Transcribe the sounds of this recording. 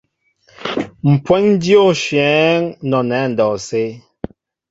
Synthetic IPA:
m̩˨pwɛ˦n˦djo˦˨ʃjɛː˨˦ŋnɔ˨nɛ˨˦˨n̩˨dɔ˨se˦

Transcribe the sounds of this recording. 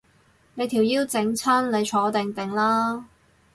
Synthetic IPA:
ne˨˧jt̪ʰiː˨˩wjiː˥wt͡sɪ˨˥ŋt͡sʰɐ˥nle˨˧jt͡ʃʰɔː˨˧t̪ɪ˨ŋt̪ɪ˨˩ŋlaː˥

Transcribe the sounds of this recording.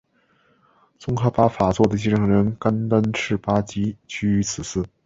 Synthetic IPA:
t͡sʊ˥ŋxʰa˧˥pa˧˥fa˨˩t͡swɔ˥˩d̪ə˩t͡ɕi˥ʈ͡ʂɤ˥˩ŋɻə˧˥nka˥nt̪a˥nʈ͡ʂʰɻ̩˥˩pa˥t͡ɕi˥t͡ɕʰy˥y˧˥t͡sʰɹ̩˨˩sɹ̩˥˩

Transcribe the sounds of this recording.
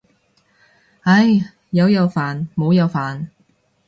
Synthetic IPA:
hɐ˧˥j | jɐ˨˧wjɐ˨˧wfaː˨nmo˨˧wjɐ˨˧wfaː˨n

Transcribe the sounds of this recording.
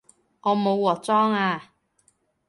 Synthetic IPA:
ŋɔː˨˧mo˨˧wːɔː˨˧t͡sɔː˥ŋaː˧

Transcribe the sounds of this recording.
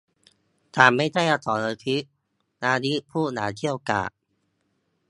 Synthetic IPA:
t̪ʰaː˨˦mːa˥˩jda˥˩jʔa˧t̪ɔː˨˩˦nlɤː˧k̪ʰi˦˥ʔ | naː˧ni˦˥ʔpʰuː˥˩naː˩˦t̪ʰi˥˩əwka̰ː˨˩ʔ̚

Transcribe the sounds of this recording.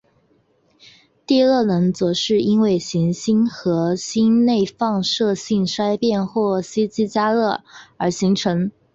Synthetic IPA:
t̪i˥˧lɤ˥˩nɤ˧˥ŋt͡sɤ˧˥ʂɻ̩˥˩i˥nwe˥˩ɪɕi˧˥ŋɕi˥nxɤ˧˥ɕi˥nne˥˧ɪfɑ˥˧ŋʂɤ˥˧ɕi˥˩nʂa˥ɪpjɛ˥˧nxwɔ˥˩ɕi˥t͡ɕi˥t͡ɕja˥lɤ˥˩ə˞˧˥ɕi˧˥ŋʈ͡ʂʰɤ˧˥ŋ

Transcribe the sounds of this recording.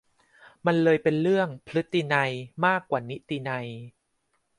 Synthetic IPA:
ma˧nlɤː˧jpe˧nɾɯ˥˩əŋpʰlɯ˦˥t̪ːi˧na˧jmaː˥˩kːwaː˨˩ni˦˥t̪iː˧na˧j

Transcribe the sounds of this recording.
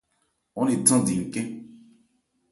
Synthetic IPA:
ɔ̃˦ne˨tã˦˨di˨ŋ̩˨kɛ̃˦

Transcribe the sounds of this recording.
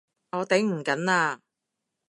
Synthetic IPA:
ɔː˨˧t̪e˨˥jm̩˨˩kɐ˨˥naː˧

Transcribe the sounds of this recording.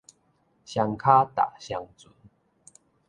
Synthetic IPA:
ɕja˧ŋkʰa˦t̪a̰˨ɕja˧ŋt͡su˨˦n

